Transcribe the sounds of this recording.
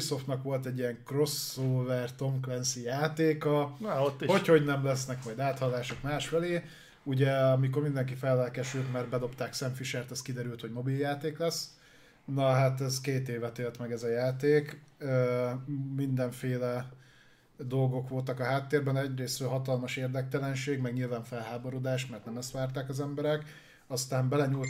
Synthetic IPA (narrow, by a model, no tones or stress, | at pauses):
iso̞ft̪nɒkʋo̞lt̪ɛɟːijɛŋkro̞soːvɛrt̪o̞mklɛnsijaːt̪eːkɒot̪ːiho̞cho̞ɟnɛmlɛsnɛkmɒjd̪aːt̪hɒlaːʃokmaːʃfɛleː | uɟɛɒmiko̞rmind̪ɛŋkifɛlːɛlkɛʃylt̪mɛrbɛd̪o̞pt̪aːksɛɱfiʃɛrt̪ɛskid̪ɛɾylt̪hoɟmo̞biljaːt̪eːklɛs | nɒɦat̪ɛzkeːt̪eːvɛt̪eːlt̪mɛɡɛzɒjaːt̪eːkø | mind̪ɛɱfeːlɛ | d̪o̞lɡo̞kʋo̞lt̪ɒkɒɦaːt̪ːeːrbɛnɛɟreːsrølɦɒt̪ɒlmɒʃeːrd̪ɛk̚t̪ɛlɛnʃeːɡmɛɡɲilvaːɱfɛlɦaːbo̞ɾo̞d̪aːʃmɛrt̪nɛmɛst̪ʋaːrt̪aːkɒzɛmbɛɾɛk | ɒst̪aːmbɛlɛɲul